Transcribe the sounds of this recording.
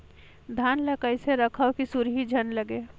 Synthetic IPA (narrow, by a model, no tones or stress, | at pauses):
d̪ʱaːnləkəɪseɾəkʰəkisuɾɦid͡ʒʱənləɡe